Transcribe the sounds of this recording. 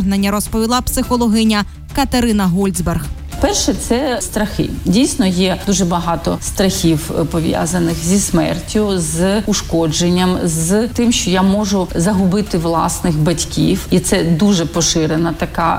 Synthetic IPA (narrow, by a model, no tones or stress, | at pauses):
ɦnɐnʲːɐɾɔspɔʋʲilˠɑpsɪxɔlˠɔɦɪnʲɐ | kɐt̪ɐɾɪnɐɦɔlʲzʲberɣ | pɛrʃɛt̪sɛst̪ɾɐxɪ̰dʲijsʲnɔjɛd̪uʒɛbɐɦɑt̪ɔst̪ɾɐxʲiwpɔʋʲja̰zɐnɪxzʲismɛ̰rtʲʊzʊʃkɔd͡ʒenʲːɐmzt̪ɪmʃt͡ʃɔjamɔʒʊzɐɦʊbɪt̪ɪʋlˠɑsnɪxbɐtʲkʲiwit̪sɛd̪uʒɛpɔʃɪɾenɐt̪ɐka